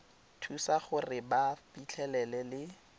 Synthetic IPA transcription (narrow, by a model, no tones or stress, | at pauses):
tʰusaχʊrɪbapit͡ɬʰɛlɛlɛlɪ